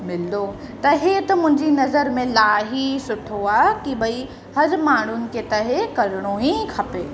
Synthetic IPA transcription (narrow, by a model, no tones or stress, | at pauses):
mɪld̪o | t̪ɐɦet̪ɐmʊ̃ɦɪ̃ɲd͡ʑinɐzəɾmẽlaːɦisʊʈʰoaːkibʱɐi | hɐɾmaːɳ̤ʊnɪ̆ket̪ɐɦekɐɾɽ̃oɦikʰɐpeː